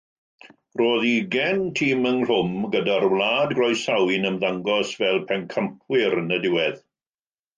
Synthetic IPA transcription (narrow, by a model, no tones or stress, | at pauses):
roːðiɡɛntʰiːmənɬʊmɡədarwlaːdɡrɔjsawɪnəmðaŋɡɔsvɛlˠpʰɛnkʰəmpʰwɪɾənədɪwɛð